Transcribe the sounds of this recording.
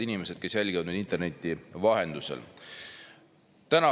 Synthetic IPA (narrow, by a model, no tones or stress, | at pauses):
inime̞se̞d̪̥ke̞sjælʲɡ̥ivɑd̪med̪int̪enet̪ːivɑɦe̞nd̪use̞̰l | t̪ænɑ